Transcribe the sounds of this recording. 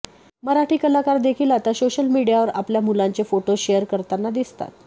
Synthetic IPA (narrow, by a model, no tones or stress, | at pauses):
məɾaʈiːkəlakaɾd̪ekʰiːlat̪asoɕəlmiɽijaʋəɾapljamulaɲt͡sefoʈoɕejəɾkəɾt̪anːad̪ist̪a̰t̪